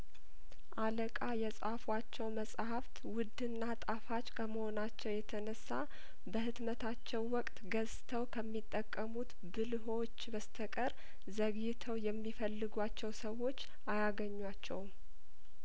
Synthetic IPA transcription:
ʔaləkʼajɛsʼafwat͡ʃːɛwməsʼhaft̪wʊd̪ɨnːat̪ʼafat͡ʃːkʰəməho̞nat͡ʃːɛwjɛt̪ʰənəsːa | bəhɨt̪mət̪ʰat͡ʃːɛwːɔkʼt̪ɡəzt̪ʰəwkʰəmːit̪ʼːəkʼːəmut̪ | bɨlɦo̞t͡ʃːbəst̪ʰəkʼəɾ | zəɡɪt̪ʰəwjɛmːifəlːɨɡʷat͡ʃːɛwsəwo̞t͡ʃː | ajaɡəɲːwat͡ʃːɛ̰w

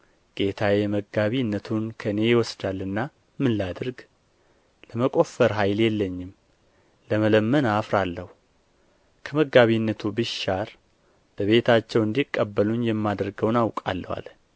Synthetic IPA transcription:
ɡ̥e̞t̪ʰajɛməɡaβinːət̪ʰunkʰəne̞jɪwɔsd̪alːɨnːa | mɨnlad̪ɨɾɡ | ləməkʼo̞fəɾɦajljɛlːəɲːɪm | ləmələmːənafɾalːəhu | kʰəməɡaβinːət̪ʰubɨʃaɾ | b̥əβe̞t̪ʰat͡ʃːɛwɨnd̪ikʼːəbːəlunjɛmːad̪ɾɡəwnawkʼa̰lːəwa̰l

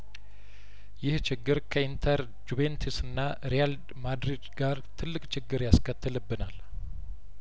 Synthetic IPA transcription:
jɪht͡ʃʰɪɡːɨɾkʰəint̪ʰəɾ | d͡ʒuβent̪ʰisɨnːa | ɾijald̪mad̪ɾid̪ɡaɾt̪ʰɨlːɨkʼt͡ʃʰɪɡːɨɾjaskət̪ːɨlɨbːɨnal

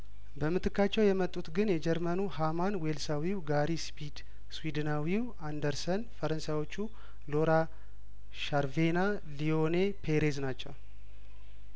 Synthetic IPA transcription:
bəmɨt̪ʰɨkːat͡ʃːɛwjɛmət̪ʼːut̪ɡɨnjɛd͡ʒɛɾmənuhamanwelsawiwɡaɾispid̪ | swid̪ɨnawiw | and̪əɾsənfəɾənsajwo̞t͡ʃːu | lo̞ɾa | ʃaɾvena | lionepʰe̞ɾeznat͡ʃːɛw

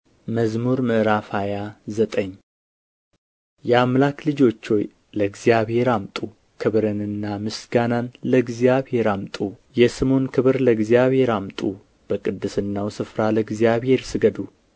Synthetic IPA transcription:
məzmuɾmɨʔɾafajazət̪ʼəɲː | jɛamlaklɨd͡ʒo̞t͡ʃːo̞j | ləɡzijaβhe̞ɾamt̪ʼu | kʰɨβɾɨnɨnːamɨsɡananləɡzijaβhe̞ɾamt̪ʼu | jɛsɨmo̞nkʰɨβɨɾləɨɡzijaβhe̞ɾamt̪ʼu | b̥əkʼɨd̪ːɨsɨnːawsɨfɾaləɡzijaβhe̞ɾsɨɡəd̪u

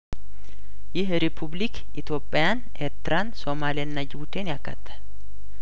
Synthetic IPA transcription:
jɪɦɾɪpʰʊblik | ɪt̪joːpʼːɪjan | eɾt̪ɪɾaːnsɔmaːlɪɐnːɐd͡ʒɪbʊt̪eːnɪɐkːɐ̰t̪ːɐ̥

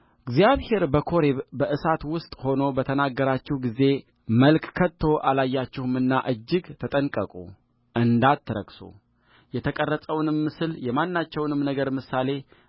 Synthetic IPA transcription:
ɨɡzijaβhe̞ɾbəkʰo̞ɾeβbəʔɨsat̪wʊst̪ʼho̞no̞bət̪ʰənaɡːəɾat͡ʃːɪhɡize̞ | məlkʰkʰːət̪ʰːo̞ʔalajːat͡ʃːɪhmɨnːa̰ʔɨd͡ʒːɪɡt̪ʰət̪ʼənkʼəkʼṵ | ʔɨnd̪at̪ːɨɾə̰kso̰ | jɛt̪ʰəkʼərːəsʼəwnɨmːɨsɨljɛmanːat͡ʃːɛwnɨmnəɡəɾmɨsale̞

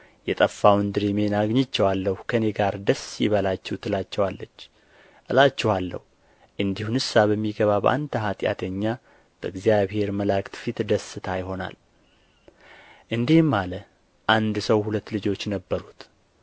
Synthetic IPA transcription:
jɛt̪ʼəfːawnd̪ɨɾime̞naɡɲɪt͡ʃːɛwalːəhukʰəne̞ɡaɾd̪əsiβəlat͡ʃːɛwut̪ʰɨlat͡ʃːɛwalːət͡ʃː | ʔɨlat͡ʃːɛhalːə̰hu | ʔɨnd̪ihunhɨsːaβəmːiɡəβabəʔa̰nt̪ʰəɦat̪ʼja̰t̪ʰəɲːa | b̥əɨɡzijaβhe̞ɾməlakt̪fit̪d̪əsːɨt̪ʰajɪɦo̞na̰l | ʔɨnd̪ihmːalə | ʔand̪səwhulət̪ːlɨd͡ʒo̞t͡ʃːnəbːəɾut̪

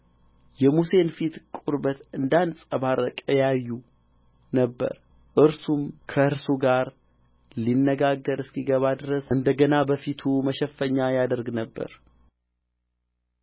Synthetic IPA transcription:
jɛmuse̞nfit̪kʼuɾbət̪ɨnd̪ansʼəβaɾəkʼəjajːu | nəbːə̰ɾ | ʔɨɾsumkʰəɨɾsuɡaɾ | linːəɡaɡːəɾɨskiɡəβad̪ɨɾəsɨnd̪əɡənabəfit̪ʰuməʃɛfːəɲːajad̪əɾɡnəbːə̰ɾ

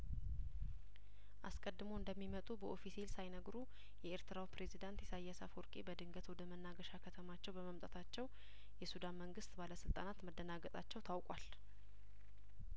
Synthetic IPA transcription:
ʔaskʼəd̪ːɨmoɨnd̪əmːimət̪ʼubəʔo̞fisilsajnəɡɾu | jɛeɾt̪ʰɨɾawpɾe̞zid̪ant̪jɛsajasa̰foɾkʼebəd̪ɨŋɡət̪ʰuwd̪əmənːaɡəʃakʰət̪ʰəmat͡ʃːɛwbəməmt̪ʼat̪ʰat͡ʃːɛw | jɛsud̪anməŋɡɨst̪ʼbaləsɨlt̪ʼa̰nat̪məd̪ːənaɡət̪ʼat͡ʃːɛwt̪ʰawkʼwal

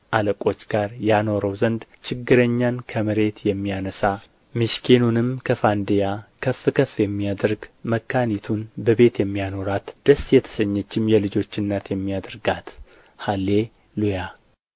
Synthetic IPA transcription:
ʔaləkʼo̞t͡ʃːɡaɾjano̞ɾəwzənd̪ | t͡ʃʰɪɡːɨɾəɲːankʰəmɨɾe̞t̪jɛmːijanəsa | mɨʃkʰenunɨmkʰəfand̪ejakʰəfːɨkʰəfːjɛmːiad̪əɾɡməkʰːanit̪ʰunbəβe̞t̪jɛmːijano̞ɾat̪d̪̥əsjɛt̪ʰə̥səɲːɛt͡ʃːɪmjɛlɨd͡ʒo̞t͡ʃːɨnːat̪jɛmːijad̪əɾɡat̪ | halːe̞ | luja

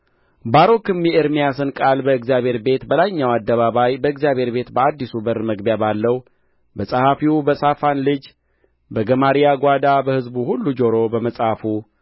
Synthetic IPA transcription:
baɾo̞kɨmjɛɨɾmijasɨnkʼalbəɨɡzijaβhe̞ɾbe̞t̪bəlajɲːawad̪ːəβaβajbəɨɡzijaβʱhe̞ɾbe̞t̪bəad̪ːisubəɾməɡbjabalːəhwu | bəsʼəhafiwbəsafanlɨd͡ʒ | bəɡəmaɾijaɡʷad̪abəhɨzbuhulːud͡ʒoɾo̞bəməsʼhafu

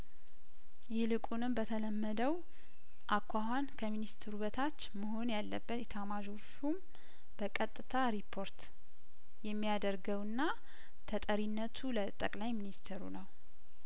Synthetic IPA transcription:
jɪhlɨkʼunɨmbət̪ʰələmːəd̪əw | ʔakʰʷːahankʰəminist̪ʰɨɾuβət̪ʰat͡ʃːməɦo̞njalːəbːət̪jɛt̪ʰamaʒofum | b̥əkʼət̪ʼːɨt̪ʰaɾipʰːo̞ɾt̪ | jɛmːijad̪əɾɡəwɨnːa | t̪ʰət̪ʼəɾinːət̪ʰulət̪ʼəkʼlajminist̪ʰeɾṵnəw

